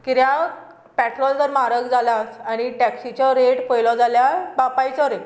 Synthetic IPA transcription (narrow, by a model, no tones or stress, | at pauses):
kiɾja | pæʈɾɔld͡zəɾmaɾəkd͡zʱalasaɽ̃iʈɛksit͡ɕɔɾeʈpəjlɔd͡zaljabapajt͡sɔɾe